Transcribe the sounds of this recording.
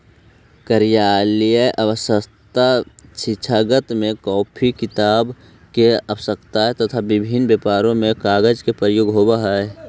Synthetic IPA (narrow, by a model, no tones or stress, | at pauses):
kəɾijaːlijəʔəʋəsəst̪at͡ʃʰit͡ʃʰaɡət̪mẽkɔːpʰikɪt̪aːb | keəbsəkt̪aɦɛt̪ət̪ʰabɪbʱinbjepaːɾõmẽkaːɡəd͡ʒkepəjoɡɦoːbaɦa